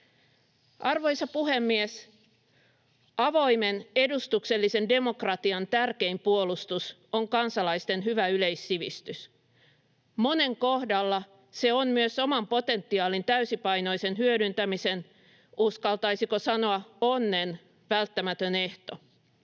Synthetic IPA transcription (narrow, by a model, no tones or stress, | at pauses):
ɑrʋo̞jsɑpuɦe̞mːies | ɑʋo̞imene̞dust̪ukse̞lːise̞nde̞mo̞krɑt̪iɑnt̪ærke̞impuolust̪us | oŋkɑnsɑlɑjst̪e̞nɦyʋæyleisːiʋist̪ys | mo̞ne̞ŋko̞hdɑlːɑ | se̞onmyøso̞mɑmpo̞t̪e̞nt̪ːiɑːlint̪æysipɑjno̞jse̞nɦyødynt̪æmise̞n | ʔuskɑlt̪ɑjsiko̞sɑno̞ɑonːe̞n | ʋælt̪ːæmæt̪øne̞ht̪o̞